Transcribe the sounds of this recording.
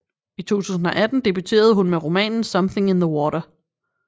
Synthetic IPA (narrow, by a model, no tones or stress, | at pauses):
it͡sʰo̝̰ːt͡sʰṵːsn̩ɒ̽ʔæd̥n̩d̥ib̥yt͡sʰe̝̰ːɐð̞̩ˠɦunmeʁo̝mɛ̰ːnn̩sʌ̽mθe̝ŋenðəwɒːɾɐ